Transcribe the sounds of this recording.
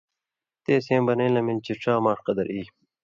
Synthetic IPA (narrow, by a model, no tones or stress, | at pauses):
t̪eːsẽːmbɐneːlɐmilt͡ɕiʈ͡ʂaːmaːʂqɐd̪ɐɾʔiː